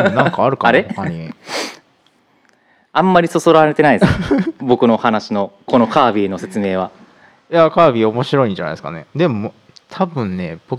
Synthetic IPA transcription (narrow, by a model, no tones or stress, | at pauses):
nãkaːɾɯ̟kaaɾeokaɲi | ãmːaɾʲiso̞so̞ɾaɾe̞t̪e̞naid̪esbo̞kɯ̟no̞hanaɕino̞ko̞no̞kaːbʲiːno̞se̞t͡sɨme̞ːβa | jakaːbʲiomo̞ɕiɾo̞ĩɲd͡ʑanaj̪esɨ̥ka̰ne̞̰d̪e̞mo | t̪ʰabɯ̟̃nne̞b̥o